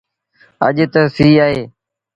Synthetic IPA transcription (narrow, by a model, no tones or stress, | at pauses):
ə̰ʄt̪əsiːaːɦeː